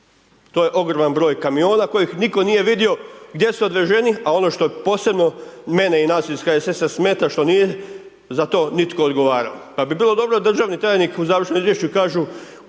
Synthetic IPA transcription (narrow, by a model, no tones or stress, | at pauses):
t̪oje̞ʔo̞ɡɾomanbɾo̞ːjkamio̞ːnako̞jixniko̞nije̞ʋid̪io̞ɡd̪je̞suod̪ʋeʒe̞niao̞no̞ʃt̪opo̞ːse̞bno̞me̞neinaːsilskajesesasme̞ːt̪aʃt̪o̞nije | zat̪o̞ːnit̪koːd̪ɡo̞ʋaːɾa̰opabibiːlˠo̞d̪o̞bɾod̪r̩ʒaːʋnit̪ɾaːjnikuzaːʋɾr̩ʃnomizʋjeʃt͡ɕukaːʒu